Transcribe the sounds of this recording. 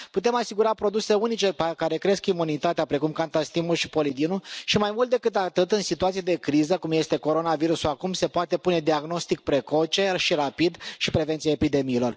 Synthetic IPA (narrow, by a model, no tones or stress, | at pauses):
put̪e̞masiɡuɾapɾo̞d̪use̞unit͡ʃe̞pakaɾe̞kɾe̞skimunit̪at̪eapɾe̞kumkant̪ast̪imuʃi̥po̞lid̪inuʃimajmult̪d̪e̞kɨt̪at̪ɨt̪ɨnsit̪uat̪siad̪e̞kɾizəkumje̞st̪e̞ko̞ɾo̞naviɾusuakumse̞poat̪e̞pune̞d̪iaɡno̞st̪ik̚pɾe̞ko̞t͡ʃe̞ʃiɾapid̪ʃipɾe̞ve̞nt̪siaepid̪e̞miːlo̞r